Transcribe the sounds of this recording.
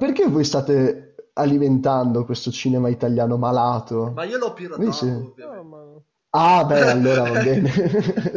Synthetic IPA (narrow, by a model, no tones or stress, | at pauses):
perk̟evojst̪aːt̪ealiment̪and̪okwest̪ot͡ʃiːnemait̪aljaːnomalaːt̪o | ise | abɛalːoːɾavabːɛːne